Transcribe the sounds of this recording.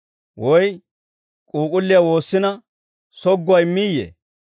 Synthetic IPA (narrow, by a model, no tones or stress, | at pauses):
wɔj | kʼuːkʼʊlːɪjawo̞ːsːɪnɐ | sɔɡːʊwɐjmːijḛ